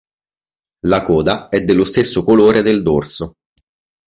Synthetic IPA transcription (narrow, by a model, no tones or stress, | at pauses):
lakɔːd̪aɛd̪ːelːost̪esːokoloːɾed̪eld̪orso